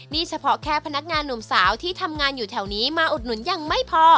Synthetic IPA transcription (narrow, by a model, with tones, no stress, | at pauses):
niː˥˩t͡ɕʰa˧pʰɔ˦˥kʰɛː˧˩pʰa˧na˦˥k̚ŋaː˧nːu˨˩msaː˩˦wt̪ʰiː˥˩t̪ʰa˧mŋaː˧njuː˨˩t̪ʰɛ˨˩wniː˦˥maː˧ʔu˨˩t̪̚nu˩˦nja˧ŋma˥˩jpʰɔː˧